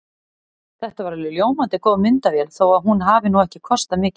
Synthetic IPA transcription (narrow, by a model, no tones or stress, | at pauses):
θɛht̪avaɾvɪlʏljoːwmant̪ɪkoːwmʏnt̪avjɛlθowaðɦunɦavɪnuɛhcɪkʰɔst̪amɪːcɪ̥